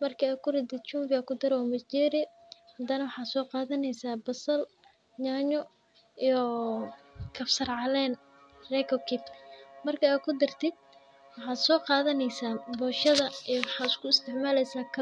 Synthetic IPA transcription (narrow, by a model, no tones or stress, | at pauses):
mɐrkʰiaːd̪̚kʰʊɾɛt̪ɪd̪̚t͡ʃuːmbɪaːkʰʊd̪ɐɾwɔːmɐt͡ʃɛːɾɪ | hɐd̪ɐnɐwɑħɑːd̪sɔːqɑːðɐnɛjsaːbɐsɐl | ɲaːɲɔ | ijɔ | kʰɐfsɐrʕɑlɛːn | rɛkʰɔkʰɪbmɐrkʰiaːd̪̚kʰʊd̪ɐrt̪ʰɪd̪̚ | wɑħɑːd̪sɔːqɑːðɐnɛjsaːbɔːʃɐðɐɛjwɑħɑːɪskʰʊɪst̪ʰɪʕmaːlɛjsaːkʰɐ